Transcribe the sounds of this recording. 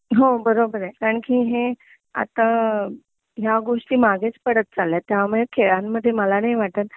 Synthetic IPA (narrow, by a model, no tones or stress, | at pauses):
ɦobəɾobəɾkaɾəɳkiːɦe | a̰t̪a | ɦjaɡoʂʈiːmaɡet͡spəɽət̪̚t͡saljat̪ːjamuɭekʰeɭãmːəd̪ʱːjeməlanajʋaʈət̪